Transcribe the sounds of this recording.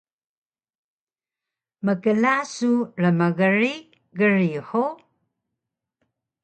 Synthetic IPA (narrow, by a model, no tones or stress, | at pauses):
məkəlasurəməɣəɾi | ɣəɻiħu